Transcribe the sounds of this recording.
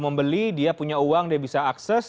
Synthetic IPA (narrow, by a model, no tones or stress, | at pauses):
məmbəlidiapuɲauwaŋdiabisaːksɛs